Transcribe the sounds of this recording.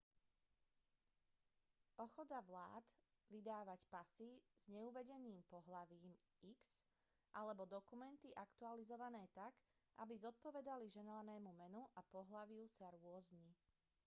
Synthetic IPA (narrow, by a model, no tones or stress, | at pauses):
ʔɔxɔd̪aʋlaːd̪ | ʋid̪aːʋacpasiz̥ɲɛuʋɛɟɛniːmpɔɦlaʋiːm | iks | ʔalɛbɔd̪ɔkumɛnt̪iʔakt̪ualizɔʋanɛːt̪aɡ | ʔa̰bizɔt̪̚pɔʋɛd̪aliʒɛnlanɛːmumɛnuʔapɔɦlaʋɪusaɾʊɔzɲi